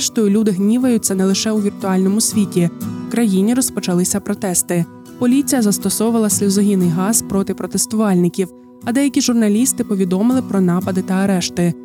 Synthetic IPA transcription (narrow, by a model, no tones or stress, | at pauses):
ʃt̪ɔjʊlʲud̪ɪɦnʲiʋɐjʊt͡sʲːɐnɛlˠɪʃɛuʋʲirt̪ʊɑlʲnɔmʊsʲʋʲitʲiwkɾɐjinʲiɾɔspɔt͡ʃɐlˠɪsʲɐpɾɔt̪ɛst̪ɪ | pɔlʲit͡sʲijɐzɐst̪ɔsɔwʊʋɐlˠɐsʲlʲizɔɦʲinɪjɦɑz̥pɾɔt̪ɪpɾɔt̪est̪ʊʋɑlʲnɪkʲiw | ɐd̪ɛjɐkʲiʒʊrnɐlʲist̪ɪpɔʋʲid̪ɔmɪlˠɪpɾɔnɑpɐd̪ɪt̪ɐɐɾɛʃt̪ɪ